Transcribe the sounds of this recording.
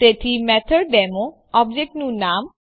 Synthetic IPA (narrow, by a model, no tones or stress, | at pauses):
teʈʰimɛt̪ʰəɾɖ̪ɛmo | ɔbd͡ʑek̚ʈnũnam